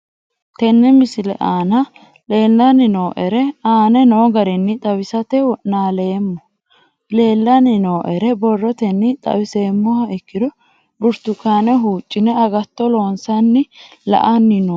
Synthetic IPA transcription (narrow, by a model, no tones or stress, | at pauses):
t̪ɛnːɛmɪsɪlɛ̰ʔaːnɐ | le̞ːlːɐnɪno̞ːʔɛɾɛaːnɛnoːɡɐɾɛnːɪt̪ʼɐwɪsɐt̪ɛwɔnaːleːmːɔ | le̞ːlːɐnɪno̞ːʔɛɾɛbɔrːɔt̪ɛnːɪt̪ʼɐ̰wɪse̞ːmːɔhɐɛkːɪd̪ɔ | bʊɾt̪ʊkːaːnɛɦuːt͡ʃʼːɪnɛɐɡɐt̪ːɔlo̞ːnsɐnːɪlɐ̰ʔɐnːɪno